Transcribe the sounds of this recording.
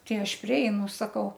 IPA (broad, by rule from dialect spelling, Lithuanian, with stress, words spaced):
ˈtɐɪ ˈɐʃ pʲrʲɪˈɛɪnʊ sɐˈkɐʊ